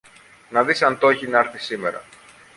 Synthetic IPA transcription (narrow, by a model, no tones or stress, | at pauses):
nɐðisɐnt̪oeçinɐɐɾθisime̞ɾɐ̰